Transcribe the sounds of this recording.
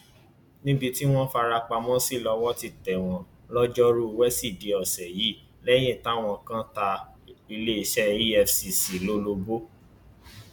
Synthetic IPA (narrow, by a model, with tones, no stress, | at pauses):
nĩ˦bi˧ti˦w̃ɔ̃˦fa˧ɾa˧k͡pa˧mɔ̃˦si˦˨lɔ˧wɔ˦ti˧tɛ˨w̃ɔ̃˨˦ | lɔ˦d͡ʒɔ˦ɾu˦˧wɛ˦si˦˨de˨ɔ˨sɛ˨ji˨˦ | lɛ˦j̃ĩ˦˨ta˦w̃ɔ̃˧kã˦ta˧ | i˧le˦i˧ʃɛ˦i˦ɛ˧fsi˨si˨lo˦lo˧bo˦